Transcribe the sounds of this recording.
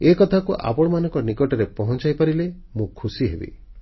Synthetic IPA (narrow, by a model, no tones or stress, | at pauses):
ekɔt̪ʰakuʔa̰pɔɽ̃ɔmanɔ̃ŋkɔnikɔʈɔɾepɔɦɔ̃nt͡ʃajpaɾile | mũkʰusiɦebḭ